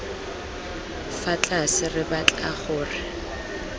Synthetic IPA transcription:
fat͡ɬʼasɪrɪbat͡ɬʼaχʊːrɪ

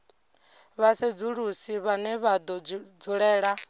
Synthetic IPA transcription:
βased͡zuɺusiβanɛβad̪ɔd͡zuɺɛːɺa

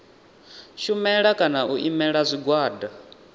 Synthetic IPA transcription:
ʃumɛɺakʼanaʔuʔimɛɺazʷiɡwaːda

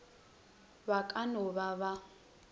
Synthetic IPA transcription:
βakʼanɔβaβa

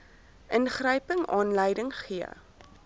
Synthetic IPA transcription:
ʔənχrəjpəŋɑːnləjdəŋχiə̰

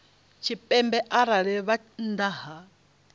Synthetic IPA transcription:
t͡ʃʰipʼɛmbɛʔaɾaɺɛβa | nd̪aɦa

